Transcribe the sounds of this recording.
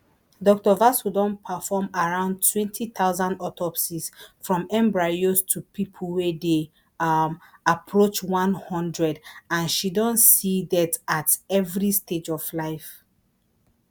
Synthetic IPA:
dɔk̚tɔvasudɔ̃npʰafɔmaɹãʊ̃ndtʰwɛ̃ntʰiθaʊzãndɔtʰɔpsisfɹɔ̃mɛ̃mbɹaostʰupʰipʰulwede | apʰɹot͡ʃwãnhɔ̃ndɹɛdãnʃidɔ̃ntsidatatɛvɹisted͡ʒɔvlaɪf

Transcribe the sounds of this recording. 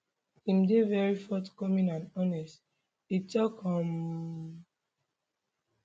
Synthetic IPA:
imdevɛɹifɔtkɔmĩnãnɔnɛst | itɔkɔm

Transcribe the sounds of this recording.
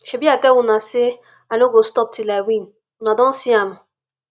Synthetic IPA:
ʃebiakewʊnasɪ | aloɡostɔp̚tilawin | ʊnadɔ̃n̩siamʊ

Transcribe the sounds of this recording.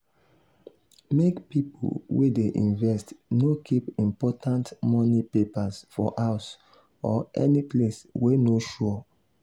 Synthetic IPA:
mekpipo̰lwedeʔḭ̃nvɛstnokʰipĩmpɔtʰãntmɔnipepasfɔ̰ʔaʊs | ɔʔɛnipleswenoʃɔ

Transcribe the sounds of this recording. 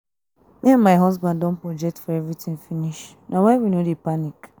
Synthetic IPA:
mĩãnmaɪɦɔzbãndɔ̃n̩pɹɔd͡ʒɛk̚tfɔɛvɾitĩŋfiniʃ | nawɛ̃nwinodepanik

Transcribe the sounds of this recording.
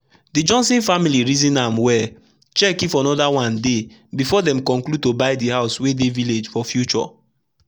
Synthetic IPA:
did͡ʒɔ̃nsĩnfamiliɹizĩnamwɛ | t͡ʃɛkifɔnɔdawãnde | bifɔdɛ̃mkɔ̃ŋklud̚tobaɪdihaʊswedeviled͡ʒfɔfjut͡ʃɔ̰

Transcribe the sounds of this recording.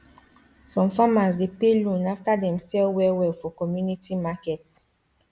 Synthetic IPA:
sɔ̃mfamasdepelũnafkadɛ̃msɛlwɛwɛfɔkɔmjunitimakɛt

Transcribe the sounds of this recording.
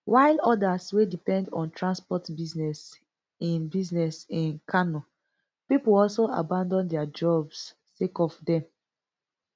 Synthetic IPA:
wʔaɪlɔdaswedipɛ̃ndɔ̰̃ntʰɹãnspɔtbiznɛs | ĩnbiznɛsĩnkʰanɔ | pipoɔlsoa̰bãndɔ̃ndɛad͡ʒɔbs | sekɔfdɛ̃m

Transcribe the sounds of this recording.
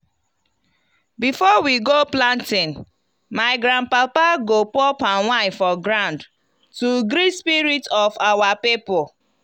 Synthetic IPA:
bifɔwiɡoplãntĩn | maɪɡɾãn̚papaɡopɔpãnwãfɔɡɾãʊ̃nd | tuɡɾispiɹitɔfawapipɔ

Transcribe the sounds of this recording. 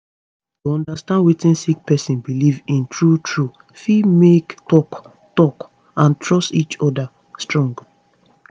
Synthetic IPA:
tuɔ̃ndastãndwitĩnsik̚pɛsĩnbilivĩntʰɹutʰɹu | fimektɔk | tɔk | ãntʰɹɔstit͡ʃɔda | stɹɔ̃ŋɡ

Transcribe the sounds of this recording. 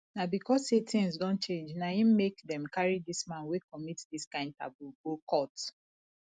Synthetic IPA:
nabikɔsetʰĩnsdɔ̃nt͡ʃẽnd͡ʒnaĩmekdɛ̃mkaɹidismãnwekɔmitdiskãɪ̃nd̚tʰa̰buɡokʰɔt

